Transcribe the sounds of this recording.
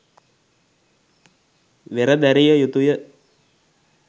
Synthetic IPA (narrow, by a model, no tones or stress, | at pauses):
ʋeɾəd̪æɾijəjut̪ujə